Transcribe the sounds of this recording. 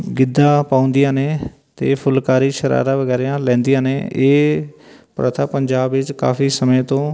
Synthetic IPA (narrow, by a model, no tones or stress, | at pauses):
ɡɪd̪ːãːpãːʊ̃nd̪ɪjãːneː | t̪eːpʰʊlkaːɾiːʃəɾa̰ːɾãːʋəɡɛːɾeãːlɛ̃ːnd̪ijãːnḛːeː | pɾə̰t̪ʰapəɲd͡ʒaːbʋɪt͡ʃka̰ːfiːsəmẽt̪õː